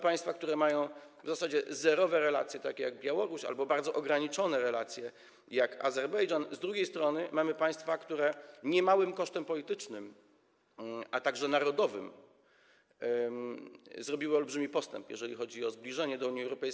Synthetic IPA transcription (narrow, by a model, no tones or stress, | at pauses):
paj̃st̪fakt̪uɾɛmajɔ̃w̃ | vzasad͡ʑɛzɛɾɔvɛɾɛla̰t̪sʲjɛt̪akʲɛjaɡ̚bʲjawɔɾuɕa̰lbɔbaɾd̪zɔʔɔɡɾaɲit͡ʂɔnɛɾɛlat̪sʲjɛ | jaka̰zɛɾbɛjʐanzd̪ɾuɡʲejst̪ɾɔnɘmamɘpaj̃st̪fakt̪uɾɛɲɛmawɘmkɔʂt̪ɛmpɔlʲit̪ɘt͡ʂnɘm | at̪aɡʐɛnaɾɔd̪ɔvɘ̰m | zɾɔbʲiwɘɔlbʐɘmʲipɔst̪ɛ̰mpjɛ̰ʐɛlʲixɔd͡ʑiɔzblʲiʐɛɲɛd̪ɔuɲiɛwɾɔpɛjs